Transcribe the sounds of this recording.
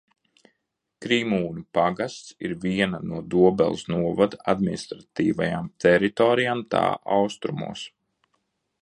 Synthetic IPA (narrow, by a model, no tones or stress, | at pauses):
kɾimuːnupaɡast̪sḭɾviɛnanuɔd̪uɔbɛ̰lˠsnuɔvad̪ad̪minist̪ɾat̪iːvajamt̪ɛɾit̪ɔːɾijamt̪ʰa̰ːʔawst̪ɾumṵɔs